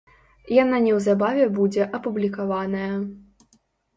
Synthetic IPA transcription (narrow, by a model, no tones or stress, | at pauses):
jananʲɛwzabavʲɛbud͡zʲɛʔɐpublʲikavanɐjɐ